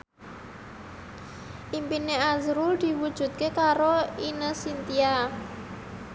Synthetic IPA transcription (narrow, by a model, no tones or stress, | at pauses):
ʔimpineazɾud̪̥i̤wud̥ʒ̥ṳt̪̚kekaɾoinəsint̪ia